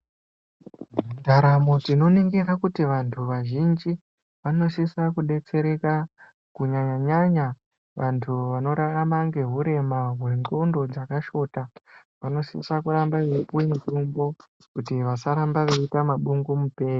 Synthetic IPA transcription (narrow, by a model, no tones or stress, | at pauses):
ndaɾamo̞tino̞neŋɡeɾakutiʋantʰuʋaʒind͡ʒi | ʋano̞sisakuɗe̞t͡se̞ɾe̞ka | kuɲaɲaɲaɲa | ʋantʰuʋano̞ɾaamaŋɡe̞ɦuɾe̞maɦwe̞ŋ͡ǃondo̞d͡zakaʃo̞ta | ʋano̞sḭsakuɾambaipuintumbo̞ | kutiʋasaɾambaʋeitamaɓuŋɡumupe̞ːri